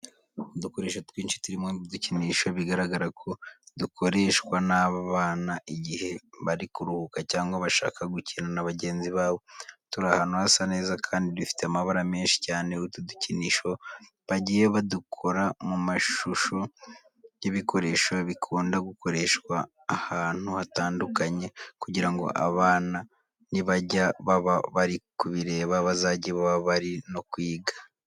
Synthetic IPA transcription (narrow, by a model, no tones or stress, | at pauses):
duko̞ɾe̞ːʃotwiːnʃi̥tuɾimoduciniːʃo̞βiɡaɾaɡaɾakʰo̞duko̞ɾe̞ʃkwanaːβaβaːnaʔiɟihe̞βaɾikuɾuhukacaːŋɡwaβaʃa̰ːkʰaɡucinanaβaɟe̞ːnziβaːβo̞tuɾahaːnhuhasane̞ːzakʰaːndidufi̥teamaβaɾame̞ːnʃi̥caːne̞utuduciniːʃo̞ | βaɟije̞βadukʰo̞ɾamumaʃuʃo̞ | jeβikʰo̞ɾe̞ːʃo̞βikʰuːndaɡuko̞ɾe̞ʃkwaː | haːn̥huhataːndukaɲe̞kuɟiɾaŋɡo̞̰ʔa̰βaːna | niβaɟaβaβaβaɾikuβiɾe̞ːβaβazaːɟieβaβaβaɾino̞kwiːɡḁ